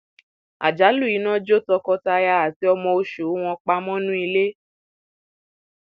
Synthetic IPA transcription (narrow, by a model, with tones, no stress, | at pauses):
a̰˨d͡ʒa˨˦lu˦˨i˨˦nã˦d͡ʒo˦tɔ˧kɔ˧ta˧ja˧a˨ti˦ɔ˧mɔ̃˧o˧ʃu˨˦w̃ɔ̃˧k͡pa˧˦mɔ̃˦nũ˦i˧le˦